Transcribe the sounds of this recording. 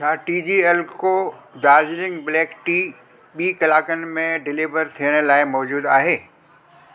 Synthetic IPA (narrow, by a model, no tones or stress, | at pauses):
t͡ʃʰaːʈiːd͡ʑiːɛlkod̪aːzlɪ̃ŋɡblɛːkʈiː | ɓiːkɐlaːkənɪ̆mẽɖɪliʋəɾt̪ʰijəɽ̃̆laːɪmɔːd͡ʑuːd̪aːɦeː